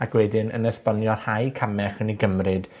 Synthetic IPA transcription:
akʰwɛdɪnə̰nɛspɔnjɔrhajkʰamɛχəniɡəmrɨd̥

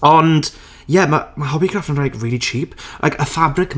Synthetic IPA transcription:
ɔnd̥ | jɛmamaɦɔbiɡrafnənrajɡriːlˠit͡ʃʰiːplʔa̰jkʰəfabrɪkm

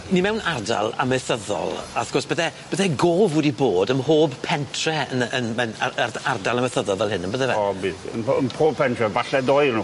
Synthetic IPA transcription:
nimɛwnarda̰lˠa̰məθəðɔ̰lˠaθɡ̥ɔsb̥əðɛbəðɛɡoːvədiboːdəmhoːbpʰɛntʰrɛənənmɛnaardalˠəməθəðɔlˠvɛlˠɦɪnənbəðɛvɛbiːθə̰nənpʰoːb̚pʰɛntʰrɛvaɬɛdɔɨnu

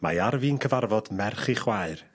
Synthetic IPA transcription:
majaɾviːnkʰəvarvɔdmɛrχiχwaɨr

